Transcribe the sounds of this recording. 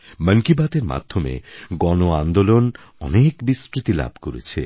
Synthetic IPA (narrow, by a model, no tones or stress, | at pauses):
məŋkibat̪eɾma̰d̪ʱːomḛɡɔnoand̪olon | ɔnekbiskɾit̪ila̰bʱkoɾḛt͡ɕʰḛ